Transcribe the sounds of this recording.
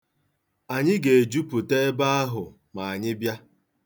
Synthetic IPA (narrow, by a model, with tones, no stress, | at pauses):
a˨ɲɪ˦ɡe˨e˨d͡ʒu˦pʊ˨te˦ba˦a˦ɦʊ˨ | ma˨a˨ɲɪ˦bja˦